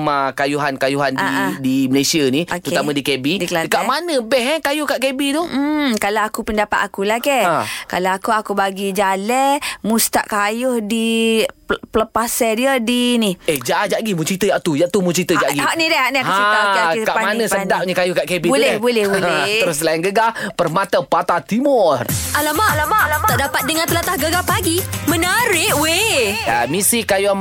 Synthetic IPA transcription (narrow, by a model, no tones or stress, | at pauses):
makajuɦankajuɦaniaãdiməlesianiokəɾut̪amãdikebidikladəkaʔmanə̃bɛhɛkajʊhkaʔkebit̪uh̩kalaakupəndapat̪akulahkɛakalaakuakubaɡid͡ʒalɛmust̪aʔkajʊhdi | pələpasɛdiədinihehd͡ʒaʔad͡ʒaʔɡimut͡ʃɾit̪əjaʔt̪ujaʔt̪umut͡ʃɾit̪əd͡ʒaʔɡiaʔnidɛaʔniakasəaiasəkaʔpamannə̃sədaʔ̚ɲəkajʊhkaʔkebibulɛhbulɛhbolɛtəɾʊs̬əlainɡəɡapərmat̪əpat̪at̪imɔralamaʔalamaʔlat̪aʔdapat̪̚dəŋant̪əlat̪ahɡəɡapaɡimənaɾɪʔwea̰misikajo